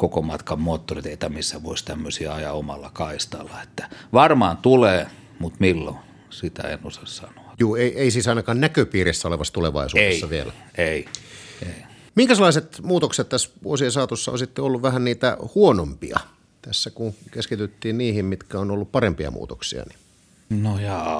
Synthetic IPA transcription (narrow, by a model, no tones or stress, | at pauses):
kokomɑt̪kɑmmoːt̪ːorit̪eit̪ɑmisːæʋoist̪æmːøsiɑɑjɑomɑ̰lːɑkɑist̪ɑlːɑe̥t̪ːæ̥ʋɑrmɑːnt̪uleː | mut̪milːo̰ | sit̪æ̰ḛnosɑssɑ̰no̥ɑ̥juːeiʔeisiːsɑˑinɑkɑːnnækøpiːɾisːæoleʋɑsːɑt̪uleʋɑ̰isueːɑʋiḛlæ̰ | eiei | miŋkæselːˑɑˑiset̪muːt̪okset̪t̪æsʋuosiesɑːt̪usːɑo̰nsit̪ːeolːuʋʋæhænniːt̪æ̰huonompḭɑ̰ | t̪æsːækukeskit̪yt̪ːiːnniːhimmit̪kæonolːuppɑrempiɑ̰mṵːt̪oksḭɑ̰ni | nojɑː